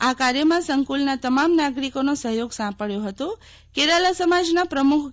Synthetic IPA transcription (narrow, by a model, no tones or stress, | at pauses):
akaɾjəmãsəŋkulnat̪əmamnaɡɾikonosəɦjoɡsãpəɭjoɦət̪o | keɾalasəmad͡ʒnapɾəmukʰ